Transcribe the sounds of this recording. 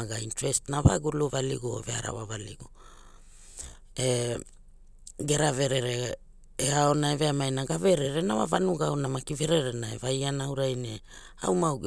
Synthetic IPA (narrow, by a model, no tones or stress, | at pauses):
aɡaintɾestnava̰ɡuluvalḭɡoo̰vea̰ɾa̰wavaliɡo | e | ɡe̞ɾave̞ɾe̞ɾe | eao̞naeve̞amajnaɡaveɾeɾenawa̰vanuɡaonamakive̞ɾeɾenaevajanaawɾajne | a̰wmaw